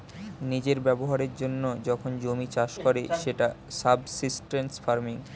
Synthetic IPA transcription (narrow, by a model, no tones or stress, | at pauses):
nid͡ʑeɾbɛboɦaɾeɾd͡ʑonːod͡ʑɔkʰond͡ʑomit͡ɕaʃkɔɾeʃeʈa | sabsisʈensfaɾmiŋ